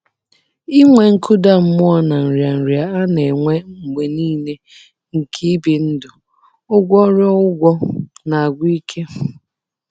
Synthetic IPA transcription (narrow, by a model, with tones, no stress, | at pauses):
i˦ŋʷe˨ŋ̩˦kʊ˦da˦m̩˦mʊ˦ɔ˦na˨n̩˨ɾja˨n̩˨ɾja˨a˦ne˨ŋʷe˦ŋ̩˨ɡ͡be˨niː˦ne˦ | ŋ̩˨kʰi˦bi˨n̩˦dʊ˨ | ʊ˦ɡʷɔ˦ɾɔ˦ʊ˦ɡʷɔ˦na˨a˨ɡʷi˦kʰe˦